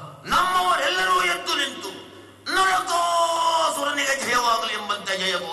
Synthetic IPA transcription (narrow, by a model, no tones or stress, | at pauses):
nɐmːɐʋɐɾɛlːɐɾujet̪ːunint̪u | nɐːɐk̪osuɾɐniɡed͡ʒʱɐjɐʋaːɡɐliɛmbɐnt̪ːɐd͡ʒʱɐjɐbo